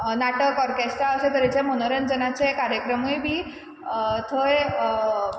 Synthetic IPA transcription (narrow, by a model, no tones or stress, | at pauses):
naʈəkːɔɾkest̪aəset̪əɾet͡semənoɾənd͡zənat͡sekaɾjəkɾəmujbʱiː | t̪ʰəj